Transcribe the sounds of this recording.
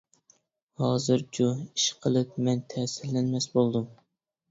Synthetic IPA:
hɑːzɨɾt͡ʃʰuiʃqʰəlˠɨp̚mɛnt̪ʰɛsɪlːɛnmɛsbolˠd̪um

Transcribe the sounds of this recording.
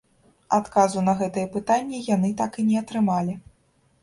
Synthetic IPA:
at̪kazunɐɣɛt̪ɨjɛpɨt̪anʲːɛjanɨt̪akinʲɛɐt̪ɾɨmalʲi

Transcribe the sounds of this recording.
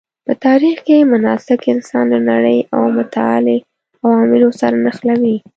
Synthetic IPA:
pət̪ɑɾixkemʊnɑsɪkɪnsɑnlənaɽəjawmʊt̪aɑ̰le | awɑmɪlosaɾanaxlawi

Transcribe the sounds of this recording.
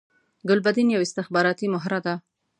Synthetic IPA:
ɡʊlbad̪injawɪst̪ɪxbɑɾɑt̪imʊɦɾad̪a

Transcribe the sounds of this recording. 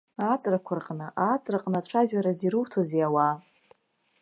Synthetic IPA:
aːt͡sʼrakʷʰarqʼnɨʔaːt͡sʼraqʼnaʈ͡ʂʷʰaʒᶣaɾaziɾɨwtʰozeawa

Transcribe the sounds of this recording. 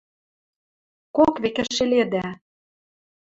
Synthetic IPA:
kokβekɘ̆ʃĕled̪æ

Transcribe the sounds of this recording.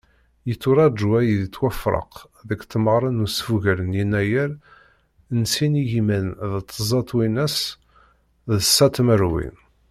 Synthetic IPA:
jət͡sːʊɾˤɑʒuæjəðt͡sːwæfɾˤə̰q | ðəkt̪ːməʁɾˤənusfuʝæɾənjinːæjəɾ | nsinijimənðət̪ʰˤːəzˤɑt̪ˤwinæs | ðəsːæt̪məɾwḭn

